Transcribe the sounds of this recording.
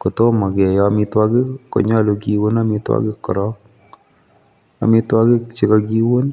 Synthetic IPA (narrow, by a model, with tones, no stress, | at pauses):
ko˨to˦ma˨kɛ˨jɔmi˧twa˦kɪː˦o̰˨ɲa˦lo˧ki˦wo˦na˦mi˦twa̰˦kɪ˦kːɔ̰˨ɾɔ˦k̚ | a̰˨mi˦twa˦kɪ˦kt͡ʃi˦ka˦ki˦wo˦n